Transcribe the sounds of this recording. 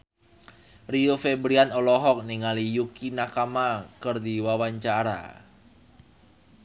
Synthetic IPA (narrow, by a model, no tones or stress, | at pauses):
riofebɾianɔlɔɦɔk̚niŋalijukinakamakɨrdiwawaɲt͡ʃaɾa̰